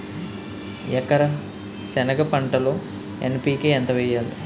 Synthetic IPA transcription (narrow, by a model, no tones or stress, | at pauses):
ɛkɐɾɐ | sɛnɐɡɐpɐɳʈɐloː | enpiːkeent̪ɐʋɛjːaːlṵ